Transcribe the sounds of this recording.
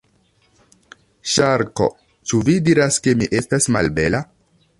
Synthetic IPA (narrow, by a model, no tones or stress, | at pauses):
ʃaɾko̞̰ | t͡ʃuvidiɾaske̞miʔe̞stasma̰lbe̞la